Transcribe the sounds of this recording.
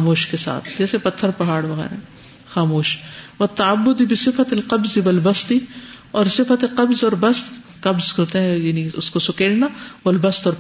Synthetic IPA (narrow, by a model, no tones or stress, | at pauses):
moːʃkesa̰ːt̪ʰd͡ʒɛːsepɐt̪ʰːəɾpɐɦaːɽʋɐɣɛ̰ːɾa̰ɦɛ | xaːmoːʃʋɐt̪ːɐabːʊd̪ibɪsɪfɐt̪ɪlqɐbzɪʋɐlbɐst̪iɔːɾsɪfɐt̪eqɐbzɔːɾbɐst̪ | qɐbzkɐɾt̪eɦɛ̃jaːniʊskosʊkeːɽnaʋɐlbɐst̪ɔːɾ